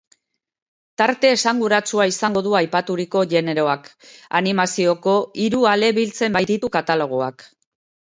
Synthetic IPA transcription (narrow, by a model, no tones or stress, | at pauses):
t̪aɾt̪e̞ːsaŋɡuɾat͡suaisaŋɡo̞ðuajpat̪uɾiko̞ʝe̞ne̞ɾo̞aka̰nimasio̞ko̞iɾuale̞βilt͡se̞mbajd̪it̪ukat̪alo̞ɣ̞oak